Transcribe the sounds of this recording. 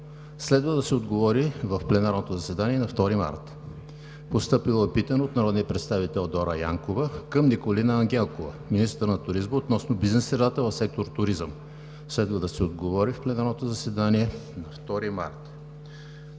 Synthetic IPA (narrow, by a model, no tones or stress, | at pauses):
slɛd̪vəd̪ɐsɛod̪ɡovɔɾivəfplɛnaɾnot̪ozɐsɛd̪aniɛnɐft̪ɔɾima̰ɾt̪ | post̪ɤpilˠoɛpit̪ənoot̪nɐɾɔd̪niəpɾɛt̪st̪avit̪ɛlˠd̪ɔɾəja̰ŋkovəkəmnikolinəːŋɡ̟ʲɛlˠkovɐ̰minist̪əɾnɐt̪ʊɾizməot̪nɔsnobiznɛsːɾɛd̪at̪əvəfsɛk̚t̪oɾt̪ʊɾizəm | slɛd̪vəd̪ɐsɛod̪ɡovɔɾifplɛnaɾnot̪ozɐsɛd̪aniɛnɐft̪ɔɾima̰ɾt̪